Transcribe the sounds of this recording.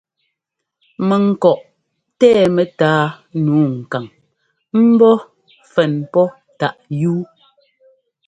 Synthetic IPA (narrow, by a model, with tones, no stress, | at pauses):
mɛ˨ŋ̩˨kɔ˨ʔ | tɛː˦˨mɛ˨taː˨˦ | nuː˨˦ŋ̩˨ka˨ŋ | m̩˦bɔ˦ | fɛ˨npɔ˦ | ta˨ʔjuː˦